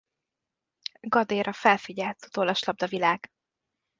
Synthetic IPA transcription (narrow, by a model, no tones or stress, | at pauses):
ɡɒd̪eːɾɒfɛlfiɟɛlt̪ot̪olɒʃlɒb̚d̪ɒvilaːɡ̥